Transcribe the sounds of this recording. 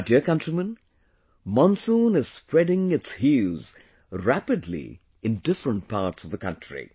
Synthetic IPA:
diəkʌ̃ntɹ̥imə̃n | mɔ̃nsũnɪz̥spɹɛɖɪ̃ŋɪtshuz | ɹæpɨdlḭ | ɨ̃ndɪfɹə̃nʈ̚pʰaːʈsʌvðəkʰʌ̰̃ntɹḭ

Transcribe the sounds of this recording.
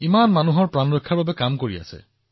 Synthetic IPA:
imanmanuɦɔɹpɹanɹɔjkʰːaɹbabɛkamkoɹia̰sɛ̰

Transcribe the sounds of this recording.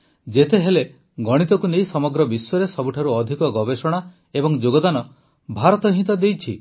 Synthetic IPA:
d͡ʒet̪eɦele | ɡɔɽ̃it̪ɔkunejsɔmɔɡɾɔbiswɔɾesɔbuʈʰaɾuɔd̪ʱikɔɡɔbesɔɽ̃a | ebɔŋd͡ʒoɡɔd̪anɔ | bʱaɾɔt̪ɔɦĩt̪ɔd̪ejt͡ʃʰi

